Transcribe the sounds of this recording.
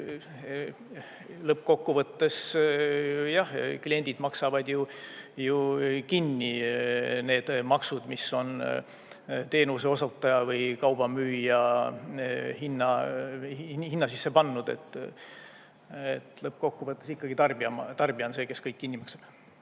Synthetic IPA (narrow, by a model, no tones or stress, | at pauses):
lɤp̚ːko̞kːuvɤt̪ːe̞s | jɑhklie̞nʲd̪̥id̪mɑksɑvɑd̪jujukinːi | ne̞ːd̪̥mɑksud̪̥misːo̞n | t̪e̞ːnuseo̞sot̪ːˑɑjɑvɤjkɑwb̥ɑmyːjɑ | hinːɑ | hinːɑsisːe̞pɑnːud̪̥e̞̰t̪ːˑ | ḛt̪lɤp̚ko̞kːuvɤt̪ːˑe̞sikːɑɡ̥it̪ɑrbiɑmɑt̪ɑrb̥iɑnse̞ːke̞skɤjkːinʲːimɑksɑ̥b̥